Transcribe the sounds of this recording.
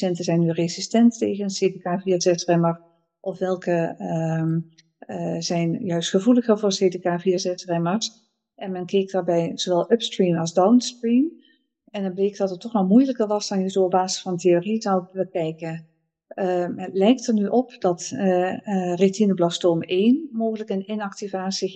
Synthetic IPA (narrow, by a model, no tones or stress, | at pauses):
ɛntəzɛjnːyrezistɛntːejɣənnseːdekaːviːzɛsrɛmər | ʔɔfʋɛlˠkə | zɛjnjœɥstχəvuləɣərvʊːrseːdekaːviːzɛsrɛməɹs | ʔɛnmɛnkɛk̚daːɹbɛjz̥oʋɛlˠœpstrinɑlˠzdawnstrim | ɛndɔnbleːk̚dɑtətːɔxnɔmujləkərʋɑsɑnjəzoːɔbaːzəsfɑnteorizɔwbəkɛjkə | ətlɛjk̚tərnyʔɔpdɑt | retinəblɑstoːmeːnmoːɣələkənɪnɑk̚tivaːsi